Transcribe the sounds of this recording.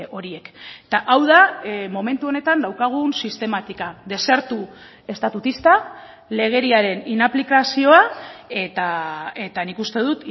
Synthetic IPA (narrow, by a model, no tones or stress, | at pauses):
ʔo̞ɾie̞kt̪aʔawð̞amo̞me̞nt̪uo̞ne̞t̪and̪awkaɣ̞unsist̪e̞mat̪ikaðe̞se̞ɾt̪u | e̞st̪at̪ut̪ist̪a | le̞ɣ̞e̞ɾiaɾe̞ninaplikasio̞ae̞t̪aet̪anikust̪eð̞ut̪